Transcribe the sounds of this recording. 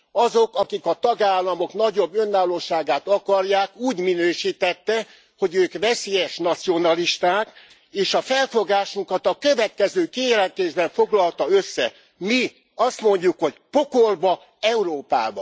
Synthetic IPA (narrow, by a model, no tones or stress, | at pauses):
ɒzokɒkikɒt̪ɒɡaːlːɒmo̞knɒɟo̞bːø̞nːaːlːoːʃaːɡaːt̪ɒkɒrjaːkuːɟminøːʃiːt̪ɛt̪ːɛ | ho̞ɟøːkʋɛseːjɛʃnɒt̪sio̞nɒliʃt̪aːk | eːʃɒfɛlfo̞ɡaːʃuŋkɒt̪ɒkø̞vɛt̪kɛzøːkiːjɛlɛnt̪eːʒbɛɱfo̞ɡlɒlt̪ɒøsːɛ | mi | ɒst̪mo̞ɲɟukho̞ɟpo̞korbɒ | ɛuɾoːpa̰ːbɒ̰